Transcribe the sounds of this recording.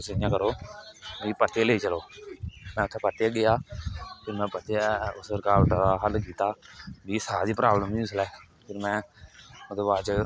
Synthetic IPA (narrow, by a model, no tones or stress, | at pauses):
səɪjãːkəɾoːʋiːpət̪eːleiːt͡ʃəloːmɛ̃ːʊt̪ʰːeːpət̪eaːɡɪjaːpʰɪɾmɛ̃ːpət̪eaʊsəɾkaːlʈ̪aɾaɦəlkiːt̪aːʋiːsaːd̪iːpɾaːbləmiʊslɛː | pʰɪɾmɛ̃ːʊd̪eːbaːd̪t͡ʃə